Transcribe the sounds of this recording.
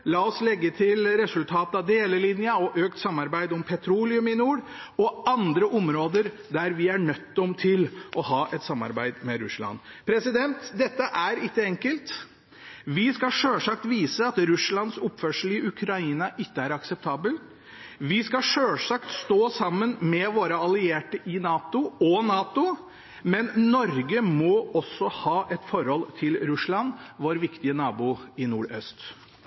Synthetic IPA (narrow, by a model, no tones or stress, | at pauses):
lɑːɔslɛɡːət̪ʰɪlɾɛsʉlt̪ʰɑːt̪əɑd̪eːləlɪnjəɔʔøːkt̪sɑmːɑɾbæɪd̪ɔmpʰɛt̪ʰɾuːlɪʉmɪnuːɽɔɑnd̪ɾəʔɔmɾoːd̪əɾ | d̪æɾʋɪæɳœt̪ːɔmt̪ʰɪlʔɔhɑːʔɛt̪sɑmːɑ̰ɾbæɪd̪mɛɾʉ̰slɑ̰npʰɾɛsɪd̪ɛnt̪d̪ɛt̪ːəʔæɾɪkːəɛŋkəlt̪ | ʋɪskɑʂøːlʂɑk̚t̪ʋiːsəɑt̪ɾʉsɭɑnsʊpfœʂəl̩ɪʔʉkʰɾɑiːnɑʔɪkːəæɾɑksɛp̚t̪ʰɑːbəl | ʋɪskɑʂøːlʂɑkt̪st̪oːsɑmːənmɛʋoːɾəɑlɪeːʈəʔɪnɑːt̪ʊɔnɑːt̪ʊ | mɛnnɔɾɡəmɔɔsːɔhɑːʔɛt̪fɔɾhɔlt̪ʰɪlɾʉsɭɑnʋoːɾʋɪkt̪ɪənɑːbuːɪnuːɾœst̪